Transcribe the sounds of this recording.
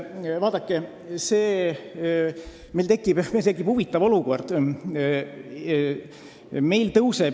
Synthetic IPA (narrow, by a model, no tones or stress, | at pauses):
vɑːd̪̥ɑkːˑe | se̞ː | melt̪e̞kːˑib̥melt̪ekːˑib̥huvit̪ːˑɑvo̞luko̞rd̪̥ | me̞jlt̪ɤwse